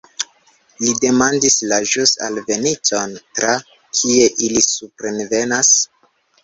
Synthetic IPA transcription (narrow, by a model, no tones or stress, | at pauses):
lide̞mandislaʒusa̰lve̞nito̞ntɾa | kʰie̞ʔilisupɾenve̞nas